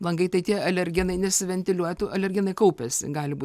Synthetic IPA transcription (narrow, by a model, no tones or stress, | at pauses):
lˠɐŋɡɐɪt̪ɐɪt̪ʲiɛɐlʲɛɾʲɡʲɪnɐɪnʲɛsʲɪʋʲɛnʲt̪ʲɪlʲuɔjt̪uːɐlʲɛrʲɡʲɪnɐɪkɐʊpʲɛsʲɪ̰ɡɑːlʲɪbuː